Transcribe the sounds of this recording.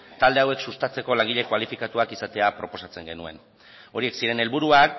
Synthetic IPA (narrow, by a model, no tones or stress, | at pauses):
t̪ald̪e̞awe̞ksust̪at͡se̞ko̞laŋɡiʎe̞kwalifikat̪uakisat̪e̞apɾo̞po̞sat͡seŋɡe̞nue̞̰n | o̞ɾieksiɾe̞ne̞lβuɾuak